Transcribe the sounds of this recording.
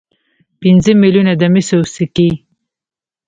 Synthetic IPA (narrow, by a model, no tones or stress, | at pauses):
pinzəmiljunad̪əmisosiki